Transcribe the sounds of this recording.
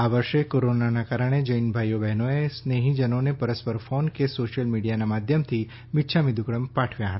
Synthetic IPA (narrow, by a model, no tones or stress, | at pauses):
aʋəɾʃekoɾonanakaɾəɽ̃ed͡ʒəinbʱajobɛɦnoesneɦĩd͡ʒənonepəɾəspəɾfonkesoʃjəlmiɽijanamad̪ʱjəmt̪ʰi | mɪt̪ːʃʰamid̪ʱukɾəmpaʈʰʋjaɦət̪a